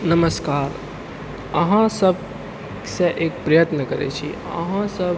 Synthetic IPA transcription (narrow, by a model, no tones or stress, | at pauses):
nəməskaːɾ | əɦãsəb̚ | kseʔeːk̚pɾəjət̪nəkəɾḛt͡ʃʰi | ə̰ɦãsəb